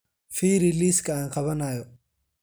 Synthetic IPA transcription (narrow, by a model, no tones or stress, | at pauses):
fiːɾiliːskʰɐaːŋqɑβɐnaːjɔ